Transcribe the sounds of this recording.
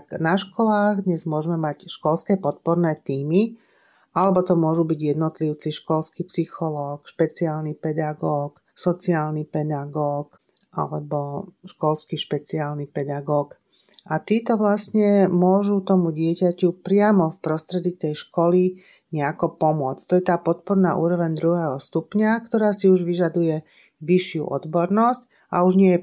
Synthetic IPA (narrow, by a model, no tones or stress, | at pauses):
t̪knaʃkɔlaːɣd̪ɲɛzmʊɔʒmɛmacʃkɔlskɛpɔt̪̚pɔɾnɛːt̪iːmi | ʔalɛbɔt̪ɔmʊɔʒubiɟjɛd̪nɔt̪liʊt͡siʃkɔlskipsixɔlɔːkʃpɛt͡siaːlnipɛd̪aɡɔːk | sɔt͡siaːlnipɛd̪aɡɔːk | ʔa̰lɛbɔʃkɔlskiʃpɛt͡siaːlnipɛd̪aɡɔːk | ʔat̪iːt̪ɔʋlasɲɛmʊɔʒut̪ɔmuɟɪɛcacupɾɪamɔfpɾɔst̪ɾɛd̪it̪ɛjʃkɔli | ɲɛakɔpɔmʊɔt͡sct̪ɔjɛt̪aːpɔt̪̚pɔɾnaʔuːɾɔʋɛɲd̪ɾuɦɛːɦɔst̪upɲakt̪ɔɾaːsiuʒʋiʒad̪ujɛ | ʋiʃɪṵʔɔ̰d̪bɔɾnɔsc | auʒɲɪɛjɛ